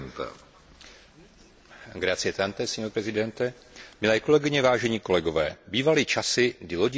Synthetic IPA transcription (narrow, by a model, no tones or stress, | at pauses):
nt̪ɛ̰ | ɡɾat͡sɪjɛt̪ant̪ɛsiːopɾɛzɪdɛnt̪ɛ | mɪlɛːko̞lɛɡɪɲɛvaːʒɛɲiːko̞lɛɡo̞vɛ̰ːbiːvaliːt͡ʃasɪɡdɪlo̞ɟ